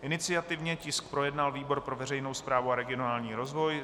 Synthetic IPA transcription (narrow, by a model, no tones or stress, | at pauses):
ʔɪnɪt͡sɪat̪ɪvɲɛcɪsk̚pɾo̞jɛdnalviːbo̞ɾpɾo̞vɛrɛjno̞wspɾaːvuaɾɛɡɪonaːlɲiːɾo̞zvo̞j